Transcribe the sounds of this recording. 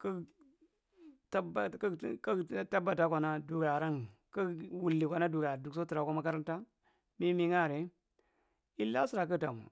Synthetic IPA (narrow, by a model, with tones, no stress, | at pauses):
ka˦ | ta˦ba˨kka˦ta˦ba˨ta˦kʷa˨na˦du˨ɡa˨ɾa˦ŋ | ka˦wu˨lːi˨kʷa˨na˦du˨ɡa˨du˨kso˦ti˨ɾa˨ko˦ma˦ka˦ɾa˦nta˦ | mi˦mi˦ŋa˦˨ɾe˨ | i˦lːa˦si˦ɾa˨k̬ə˦da˨mṵ˨